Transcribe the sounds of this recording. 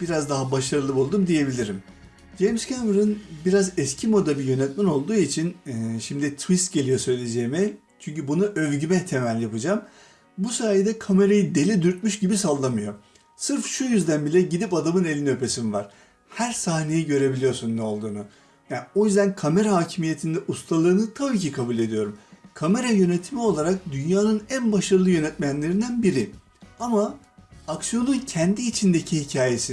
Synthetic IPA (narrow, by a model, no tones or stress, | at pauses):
b̥iɾazd̪aɦabaʃaɾɯlˠɯpo̞lˠd̪umd̪ije̞bilʲiɾim | d͡ʒemscʰamɾɯnbiɾazɛscʰimo̞d̪abijø̞nɛt̪mæno̞lˠd̪uːit͡ʃʰinʃimd̪it̪ʰvist̪̚ɟe̞lʲijo̞sø̞jlʲe̞d͡ʒejimi | t͡ʃʰyɲcybunuʔø̞vɟymɛt̪ʰe̞mælʲjapɯd͡ʒam | busaːjid̪ɛkʰame̞ɾajid̪e̞lʲid̪yɾt̪̚myʃɟibisalˠːamɯjo̞ | sɯɾfʃujyzd̪ænbilʲɛɟid̪ipad̪amɯne̞lʲinø̞pʰe̞simvaɾ̥ | hæɾsahne̞jɛɟø̞ɾe̞bilʲijo̞sunːɛo̞lˠd̪uːnu | jao̞jyzd̪ænkʰame̞ɾahaːcʰimije̞t̪ʰind̪ɛʔust̪ʰalˠaɾɯnɯt̪ʰabiːcikʰabulʲe̞d̪ijo̞ɾumkʰame̞ɾajø̞net̪ʰimio̞lˠaɾak̚d̪ynjaːnɯnænbaʃaɾɯlˠɯjø̞nɛt̪mænlʲe̞ɾind̪ænbiɾi | ama | aksijo̞nuncʰɛnd̪iːt͡ʃʰind̪e̞cʰihicʰaːje̞si